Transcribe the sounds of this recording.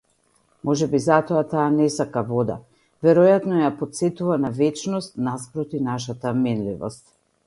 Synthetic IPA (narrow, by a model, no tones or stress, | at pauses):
mɔʒɛbizat̪ɔat̪aːnɛsakavɔd̪a̰ | vɛɾɔjat̪nɔjapɔt̪sɛt̪uvanavɛt͡ʃnɔst̪naspɾɔt̪inaʃat̪amɛnlḭvɔ̰st̪